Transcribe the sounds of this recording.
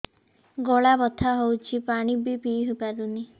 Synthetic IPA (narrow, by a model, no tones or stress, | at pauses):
ɡoɭabɔt̪ʰaɦowt͡ʃʰipaɽ̃ibipiɦupaɾuni